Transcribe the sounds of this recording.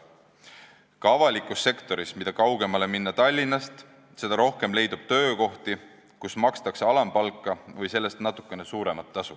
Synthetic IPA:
kɑɑvɑlʲikːˑusːe̞kt̪o̞ɾismid̪ɑkɑwɡ̥e̞mɑle̞minːɑt̪ɑlʲːinːɑst̪ | se̞d̪ɑɾo̞hke̞mle̞jd̪ub̥t̪ø̞ːko̞ht̪i | kusmɑkst̪ɑkseɑlɑmpɑlkˑːɑvɯjse̞lːe̞st̪nɑt̪ːˑu̥kˑːe̞nesuːɾe̞mɑt̪ːɑsu

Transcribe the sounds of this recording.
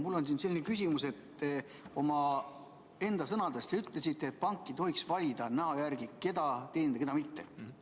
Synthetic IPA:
mulːo̞nsinse̞lːinekys̬ʲimuse̞t̪ːe | o̞mɑ | e̞nd̪̥ɑsɤnɑd̪est̪eyt̪ˑlesit̪ːˑet̪̚pɑŋkˑːit̪o̞ɦiksvɑlʲid̪̥ɑnæɦɑjærɡ̥ike̞d̪̥ɑt̪eːnd̪ɑke̞d̪ɑmit̪ːe̞

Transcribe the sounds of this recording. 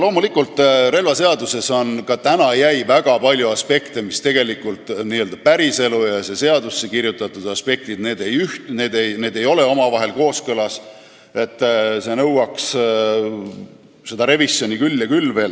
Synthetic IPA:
lo̞ːmulikult̪ːˑre̞lvɑse̞ɑd̪use̞so̞nkɑt̪ænɑjæjvæɡ̥ɑpɑlʲjuɑspe̞kt̪emist̪e̞ɡ̥e̞likult̪ˑniːøld̪̥ɑpæɾise̞lujɑse̞se̞ɑd̪̥usːe̞kiɾjut̪ːˑɑt̪ːˑud̪̥ɑspe̞k̚t̪id̪ne̞ːd̪e̞jyht̪ne̞ːd̪ejne̞ːd̪e̞jo̞le̞o̞mɑvɑɦe̞lko̞ːskɤlɑs | e̞t̪ːˑse̞nɤwɑks | se̞d̪̥ɑɾe̞visjo̞nʲikylːɑkylːve̞ːl

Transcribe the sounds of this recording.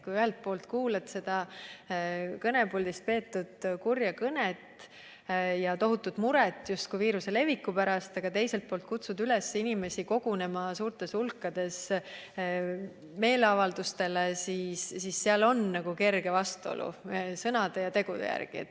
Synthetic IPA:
kujyɦelt̪̚po̞ːlt̪kuːlet̪se̞d̪̥ɑ | kɤne̞puld̪ist̪̚pe̞ːt̪ːˑud̪̥kurjɑkɤnet̪ | jɑt̪o̞ɦut̪ːˑud̪̥muɾɛt̪ːˑjust̪̚kujviːɾuse̞le̞vikːˑupæɾɑst̪ɑɡ̥ɑt̪e̞jse̞lt̪̚poːlt̪̚kut̪sud̪ylɛsinime̞siko̞ɡ̥une̞mɑsuːrt̪ˑe̞sulkːˑɑd̪̥e̞s | me̞ːleɑvɑld̪̥ust̪e̞lesiːsːisːeɑlo̞nːɑɡ̥uke̞rɡ̥e̞vɑst̪uo̰lʔṵsɤnɑd̪ejɑt̪e̞ɡ̥ud̪ḛjæ̰rɡ̥iet̪ː

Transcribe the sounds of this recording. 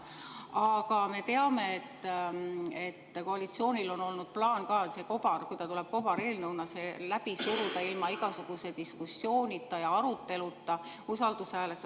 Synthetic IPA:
ɑɡ̥ɑme̞t̪e̞ɑme̞et̪ː | e̞t̪ːko̞ɑlit̪sio̞ːnʲilo̞no̞lnud̪̥̚plɑːnkɑːse̞ko̞b̥ɑrkujt̪ɑt̪ule̞b̥̚ko̞b̥ɑɾelnɤwnɑse̞læb̥isuɾud̪̥ɑilmɑiɡ̥ɑsuɡ̥use̞d̪̥iskusːjo̞ːnʲit̪ˑːɑjɑɑɾut̪ːe̞lut̪ːˑɑ | usɑld̪̥ushæːlet̪

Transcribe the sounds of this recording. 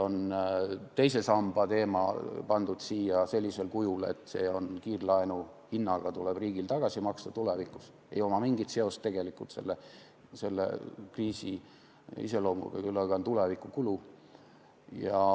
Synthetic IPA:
o̞nt̪e̞jse̞sɑmb̥ɑt̪e̞ːmɑ̰pɑnd̪ud̪̥siːjɑse̞lʲːise̞lkujulḛt̪ːˑse̞ːo̞nkiːrlɑenu | hinːɑɡ̥ɑt̪ule̞b̥riːɡilt̪ɑɡ̥ɑsimɑkst̪ɑt̪ule̞vikːˑus | e̞̰jo̞mɑmiŋɡ̥it̪se̞o̞st̪e̞ɡ̥e̞likult̪se̞̰lːe | se̞lːḛkriːsi | ḭse̞lo̞ːmṵlɡ̥ɑ̰kylːɑɡ̥ɑont̪ulevikːˑukulu | jɑ

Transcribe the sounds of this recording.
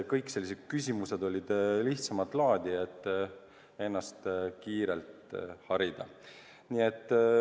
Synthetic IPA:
kɤjkse̞lːised̪̥̚kysʲimuse̞d̪o̞lʲid̪̥liht̪sɑmɑt̪ˑlɑːd̪̥ʲiet̪ːˑ | e̞nːɑst̪kiːɾelt̪hɑɾid̪̥ɑ | niet̪ːˑ

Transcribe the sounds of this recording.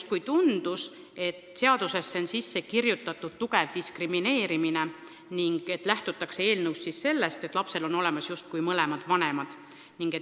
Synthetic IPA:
t̪̚kujt̪und̪̥us | e̞t̪se̞ɑd̪̥use̞sːensisːe̞kirjut̪ːˑɑt̪ːˑud̪̥̚t̪ːuɡe̞vd̪iskrimine̞ːɾimine̞ | niŋɡ̥e̞t̪ːˑlæht̪ut̪ːˑɑksee̞ːlnɤwssisse̞lːe̞st̪et̪ːˑlɑpse̞lo̞no̞le̞mɑsjust̪̚kujmɤle̞mɑd̪̥vɑnemɑd̪̥ | niŋɡ̥e̞

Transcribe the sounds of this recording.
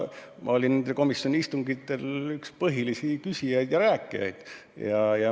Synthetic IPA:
mʔɑ̰o̞lʲinnend̪eko̞misːjonʲiist̪uŋɡ̥it̪ːe̞lykspɤɦilisikysʲijɑjd̪̥jɑɾæːkːˑijɑ̰jd̪̥ | jɑjɑ

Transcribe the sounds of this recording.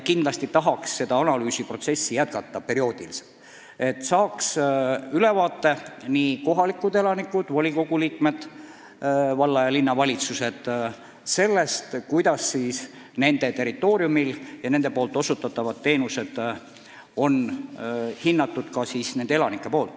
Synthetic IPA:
kind̪lɑst̪it̪ɑɦɑksːe̞d̪̥ɑɑnɑlyːsipro̞t̪se̞sːijæt̪̚kɑt̪ːɑpe̞ɾio̞ːd̪̥ilise̥lt̪ːˑ | e̞t̪ːˑsɑːksyle̞vɑːt̪ːe̞niko̞ɦɑlikːˑud̪e̞lɑnikːˑud̪̥vɑlʲiko̞ɡ̥uliːkme̞d̪̥ | vɑlːɑjɑlinːɑvɑlʲit̪suse̞d̪̥ | se̞lːe̞st̪kujd̪ɑsːiːs | ne̞nd̪e̞t̪e̞ɾit̪ːˑo̞ːɾiumiljɑne̞nd̪̥e̞po̞ːlt̪ːˑo̞sut̪ːˑɑt̪ːˑɑvɑd̪ːe̞ːnuse̞d̪̥ | o̞n | hinːɑt̪ːˑud̪̥kɑsiːsne̞nd̪eelɑnikːˑe̞po̞ːlt̪ːˑ

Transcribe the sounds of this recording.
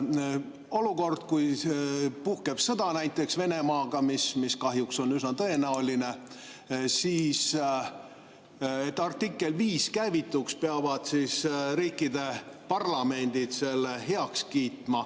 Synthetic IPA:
o̞luko̞rd̪̥kuj | puhkeb̥sɤd̪̥ɑnæjt̪ːˑe̞ksve̞nemɑːɡ̥ɑmismiskɑɦjukso̞nysnɑt̪ɤe̞næoline̞ | siːs | et̪ːˑɑrt̪ːikːˑe̞lviːskæjvit̪ːˑukspeɑvɑd̪̥sisɾiːkːˑid̪e̞pɑrlɑme̞nd̪̥id̪̥se̞lːeɦeɑkskiːt̪mɑ

